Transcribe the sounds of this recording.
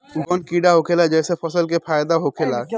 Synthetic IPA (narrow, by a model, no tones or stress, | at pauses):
ɡɔnkiɖaɦokʰelad͡ʒɛːsepʰɔsəlkepʰajd̪aɦokʰela